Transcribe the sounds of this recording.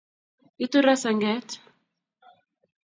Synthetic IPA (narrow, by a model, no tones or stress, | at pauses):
it̪uɾasaŋɡɛt̪